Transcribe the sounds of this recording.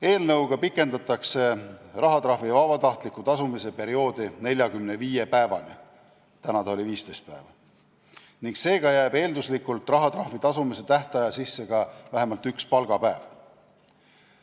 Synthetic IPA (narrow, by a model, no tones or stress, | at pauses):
e̞ːlnɤwɡ̥ɑpikːˑe̞nd̪ɑt̪ːˑɑkse̞rɑɦɑt̪rɑhvivɑbɑt̪ɑht̪likːˑut̪ɑsumise̞pe̞ɾio̞ːd̪̥ine̞lʲjɑɡymneviːjepæevɑ̰ni | t̪ænɑt̪ɑoliviːst̪e̞jst̪̚pæ̰evɑ | niŋkse̞ːɡ̥ɑjæːbe̞ːld̪uslikːult̪ˑrɑɦɑt̪rɑhvit̪ɑsumise̞t̪æht̪ɑjɑsisːe̞ɡ̥ɑvæɦemɑlt̪ykspɑlɡ̥ɑpæev